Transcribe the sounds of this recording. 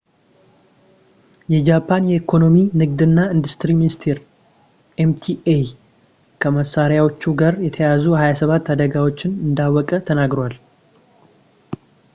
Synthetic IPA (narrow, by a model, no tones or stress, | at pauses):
jɛd͡ʒapʰːanjɛikʰo̞no̞minɨɡd̪ɨnːaɨnd̪ust̪ɾiminist̪ʰeɾ | ʔemt̪ʰiej | kʰəməsːaɾjawo̞t͡ʃːuɡaɾjɛt̪ʰəjazuhajasəβat̪ːad̪əɡawo̞t͡ʃːɪnɨnd̪awːɔkʼət̪ʰənaɡɾowal